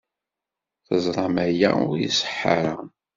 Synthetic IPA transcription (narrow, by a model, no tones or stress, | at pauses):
θəzˤɾˤɑmæjæ̰ʊɾjḭsə̥ħːaɾə